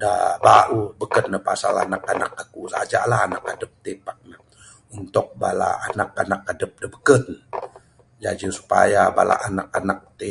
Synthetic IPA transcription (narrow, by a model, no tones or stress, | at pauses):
dabaʔubəkənːəpasala̰nakanak̚akusaad͡ʒa̰ʔlaɦanakadəp̚t̪epak̚nə | unt̪ʊk̚bala̰ːnakanak̚adəp̚dabəkən | d͡ʒad͡ʒəsu̥pa̰jaba̰la̰ʔanak̚anak̚t̪e